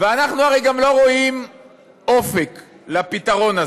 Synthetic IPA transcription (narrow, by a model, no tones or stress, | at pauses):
veanaχnuaʁejɡamlo̞ʁoim | o̞fek | lapit̪aʁo̞naz